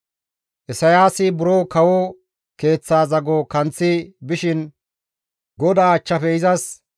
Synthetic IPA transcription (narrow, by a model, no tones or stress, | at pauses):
ʔɛsɐjaːsɪbʊɾoːkɐwɔ | ke̞ːt͡sːaːzɐɡokɐnt͡sːɪbɪʃɪn | ɡɔd̪aːɐt͡ʃːɐfɛɪzɐs